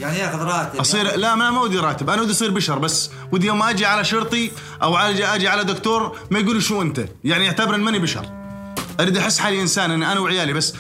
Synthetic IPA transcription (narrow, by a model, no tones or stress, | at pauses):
ɾˤɑːt̪ʔɑsˤiːɾlamamawɪd̪iɾˤɑːt̪ɪbʔanawɪd̪ʔɑsˤiːɾbɪʃɑɾˤbasː | wɪd̪joːmːaʔad͡ʒiʕalaʃʊɾt̪ˤi | ʔawʕad͡ʒʔad͡ʒiʕalad̪ʊkt̪uːɾ | majɡuːliʃuːʔɪnt̪a̰ | jaʕniʔaʕt̪abɪɾʔɪnːmanibɪʃɑ̰ɾˤ | ʔaɾiːd̪ʔaħɪsːħaːliʔɪnsaːnʔɪnːʔanawʕɪjaːlibasː